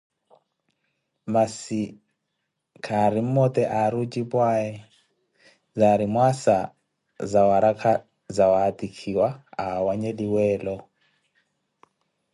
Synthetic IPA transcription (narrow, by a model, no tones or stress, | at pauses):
masi | kʰaɾim̩mɔt̪ɛʔaɾut͡ʃʼipwaɛ | zaɾimwasa | zawaɾakʰa | zawaat̪ikʰiwaawaɲɛliwɛːlɔ